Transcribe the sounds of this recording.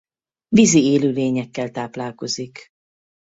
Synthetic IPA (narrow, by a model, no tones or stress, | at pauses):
vizieːløːleːɲɛkːɛlt̪aːplaːlko̞zik